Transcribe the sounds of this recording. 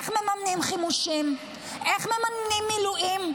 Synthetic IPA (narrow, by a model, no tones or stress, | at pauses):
χmemamnimχimuʃim | ʔeχmemannimːiluʔim